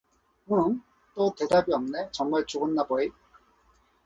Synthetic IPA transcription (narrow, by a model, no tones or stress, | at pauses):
mɯn | t͈ote̞dabiʌmne̞t͡ɕʌŋmaɭt͡ɕoɡɯnːabʌi